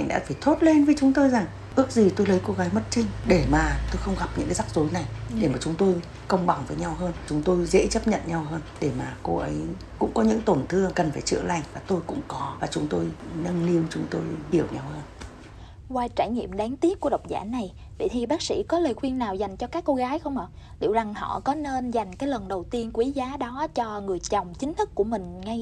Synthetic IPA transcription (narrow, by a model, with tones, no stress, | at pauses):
a˧jŋ̟ɗa̰ː˧˥faː˧˩jt̪ʰo˦˥t̚le˧nvəː˨˦jt͡ɕʊ˨˦ŋ͡mt̪o˧jza˨˩ŋ | ʔɨ˦˥ək̚zi˨˩t̪o˧jlə˨˦jko˧ɣaː˨˦jmə˦˥t̚t͡ɕï˧ŋ̟ɗe˧˩maː˨˩t̪o˧jxə˧wŋ͡mɣa˨˩p̚ɲɨ̰˧˥ŋkaː˨˦za˦˥k̚zo˨˦jna˨˩jɗe˧˩maː˨˩t͡ɕʊ˨˦ŋ͡mt̪o˧j | kə˧wŋ͡mɓa˨˩ŋvəː˨˦jɲa˧wɦəː˧nt͡ɕʊ˨˦ŋ͡mt̪o˧jzḛ˧˥t͡ɕə˦˥p̚ɲə̰˧˨nɲa˧wɦəː˧nɗe˧˩maː˨˩ko˧ʔə˨˦j | kʊ̰˧˥ŋ͡mkɔ˨˦ɲɨ̰˧˥ŋt̪o˨˩nt̪ʰɨ˧əŋkə˨˩nfaː˧˩jt͡ɕɨ̰˧˩əla˨˩jŋ̟vaː˨˩t̪o˧jkʊ̰˧˥ŋ͡mkɔ˨˦vaː˨˩t͡ɕʊ˨˦ŋ͡mt̪o˧jnə˧nli˧əmt͡ɕʊ˨˦ŋ͡mt̪o˧jɓi˨˩əwɲa˧whəː˧n | kwaː˧jt͡ɕaː˧˩jɲḭ˧˨əmɗaː˨˦ŋt̪i˦˥ət̚ku˧˩ɗə˨˩wk͡p̚za̰ː˧˩na˨˩j | ɓḛ˧˨˩t̪ʰi˨˩ɓaː˦˥k̚sḭ˧˥kɔ˨˦ləː˨˩jxwi˧ənːaː˨˩wza˨˩jŋ̟t͡ɕɔ˧kaː˦˥kːo˧ɣaː˨˦jxə˧wŋ͡mʔə˨˩ | lḭ˧˩əwza˨˩ŋhɔ̰˧˨kɔ˨˦ne˧nza˨˩jŋ̟kaː˨˦jlə˨˩nɗə˨˩wt̪i˧ənkwi˨˦zaː˨˦ɗɔ˨˦t͡ɕɔ˧ŋɨ˨˩əjt͡ɕə˨˩wŋ͡mt͡ɕi˨˦ŋ̟t̪ʰɨ˦˥k̚kːu˧˩əmï˨˩ŋ̟ŋa˧j